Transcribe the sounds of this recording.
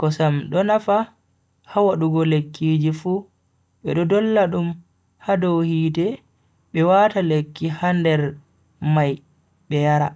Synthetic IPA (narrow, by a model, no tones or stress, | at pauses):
kɔsamɗɔnafa | hawaɗuɡɔlekʰːid͡ʒifu | ɓɛ̰ɗɔdɔlːaɗum | hadɔwhiːtɛ | ɓɛwatalekːihandɛɾ | maj | ɓɛjaɾa